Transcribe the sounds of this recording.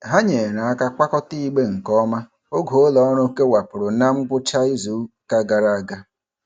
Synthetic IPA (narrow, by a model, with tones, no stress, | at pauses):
ɦa˦ɲe˨ɾa˨a˦ka˦k͡pa˦kɔ˦ti˦i˦ɡ͡be˦ŋ̩˨kɔ˦ma˦ | o˦ɡo˨o˦lɔ˨˦ɾo˦ke˦wa˨pʊ˨ɾʊ˨na˦ŋ͡m̩˦ɡ͡bʊ˦t͡ʃa˦i˦zu˨˦ka˦ɡa˨ɾa˦a˦˨ɡa˦